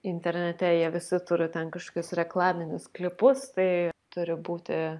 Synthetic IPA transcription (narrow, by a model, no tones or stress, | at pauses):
ɪnʲt̪ʲɛɾʲnʲɛt̪ʲɛjiɛʋʲɪsʲɪt̪ʊɾʲɪt̪ʲɛnkɐʃkoːkʲʊsɾʲɛklˠɑːmʲɪnʲʊsklʲɪpʊst̪ɐɪt̪ʊɾʲɪbuːt̪ʲɪ